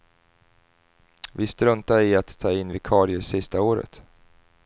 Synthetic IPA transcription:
vɪst̪ɾɵnt̪aɪat̪ʰːɑːɪnːvɪkʰɑːɾɪəɾsɪst̪aoːɾə̰t̪

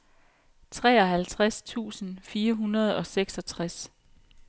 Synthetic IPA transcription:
t͡sʰʁɛːɒɦælt͡sʰʁast͡sʰṵːsn̩fiːɐɦunɐð̞ˠɒ̽seɡ̥sɒ̽t͡sʰʁas

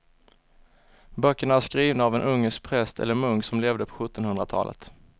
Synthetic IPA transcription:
bœkːəɳaæʂkɾiːvnaavɛnʔɵŋːəsk̚pʰɾɛst̪ʰɛ̰lːəɾmɵŋksɔmleːvd̪əpʰɔ̥ɧɵt̪ːɔnhɵnd̪ɾat̪ʰɑ̰ːlə̰t̪

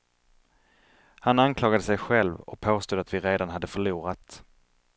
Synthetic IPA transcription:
hanankʰlɑːɡad̪əsɛjɧɛlvɔ̰k̚pʰoːst̪uːd̪at̪vɪɾeːd̪anɦad̪ːəfœɭuːɾat̪

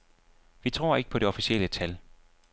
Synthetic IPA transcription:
ʋit͡sʰʁo̝ɐ̰e̝ɡ̥ə̥pʰɒ̽d̥e̝ɒ̽fisielət͡sʰæl

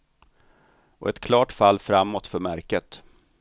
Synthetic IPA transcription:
ʔɔ̰ʔɛt̪kʰlɑːʈfalːfɾamːɔt̪fœɾmæɾkət̪

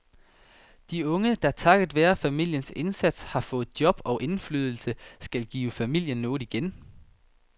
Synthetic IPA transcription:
d̥iɔ̽ŋəd̥ɑ̈t͡sʰɑ̈ɡ̥əð̩ˠʋæːɐfæmil̰jənse̝nsæd̥shɑ̈fɔ̽ːð̩ˠd̥jɒ̽b̥ɒ̽ʊʔe̝nfly̰ːð̞ˠl̩səsɡ̥ælɡ̥iːʊəfæmil̰jənːɔ̽ːð̩ˠiɡ̥en

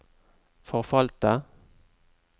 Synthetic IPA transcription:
fɔʁfɑlt̪ə

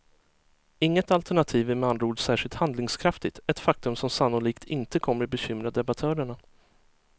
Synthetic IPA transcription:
ɪŋːət̪alt̪ʰæɳat̪ʰiːvæmɛand̪ɾuːɖsæːʂɪlt̪hand̪lɪŋskʰɾaft̪ɪt̪ɛt̪fak̚t̪ɵmsɔmsanːʊliːkt̪ʰɪnt̪əkʰɔmːəɾbɛɕʏmɾad̪ɛbat̪ʰœːɾəɳa

